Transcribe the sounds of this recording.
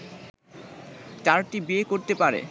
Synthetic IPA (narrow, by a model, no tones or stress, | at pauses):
t͡ɕaɾʈibiekoɾt̪epaɾḛ